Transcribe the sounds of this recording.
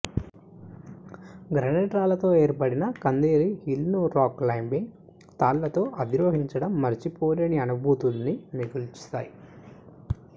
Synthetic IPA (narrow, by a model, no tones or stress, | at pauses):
ɡɾɐnɛːʈɾaːlɐt̪o̞ːe̞ːɾpɐɽinɐkɐnd̪eːɾihilnuːɾaːklɐjmbiŋ | t̪aːlːɐt̪o̞ːʔɐd̪iɾoːɦiɲt͡ʃɐɽɐmːɐɾit͡ʃipoːlɐniɐnubʱuːt̪ulniniɡult͡ʃi̥t̪aːji